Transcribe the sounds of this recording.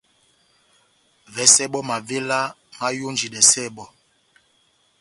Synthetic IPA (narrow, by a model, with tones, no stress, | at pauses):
vɛ˨˦sɛ˦ɓɔ˦ma˨ve˦la˦ma˦jo˦nd͡ʒi˨dɛ˨sɛ˦˨ɓɔ˦